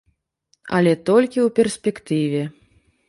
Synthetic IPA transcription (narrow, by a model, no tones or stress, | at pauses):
ɐ̰lʲɛt̪ɔlʲkʲiwpʲɛrsʲpʲɛkt̪ɨvʲɛ